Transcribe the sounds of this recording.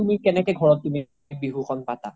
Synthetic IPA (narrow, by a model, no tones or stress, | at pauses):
tumikɛnɛkɛɡʱɔɹɔtːumi | k̚biɦuxɔnpata̰